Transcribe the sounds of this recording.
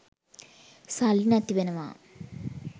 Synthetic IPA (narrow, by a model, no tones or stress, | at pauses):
salinɐt̪ːibenɐma̰